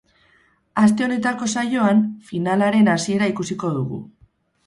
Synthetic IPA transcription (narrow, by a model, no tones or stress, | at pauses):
ast̪e̞o̞ne̞t̪ako̞saʝo̞anfinalaɾe̞nasie̞ɾaikusiko̞ðuɣ̞ṵ